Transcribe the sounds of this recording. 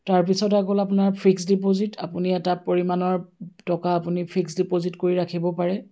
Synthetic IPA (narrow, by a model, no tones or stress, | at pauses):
taɹpisɔtaɡolapʊnaɹpʰɹiksdipozitapuniɛtapoɹimanɔɹtɔkaːpunipʰɹiksdipozitkoɹiɹakʰibɔpaɹɛ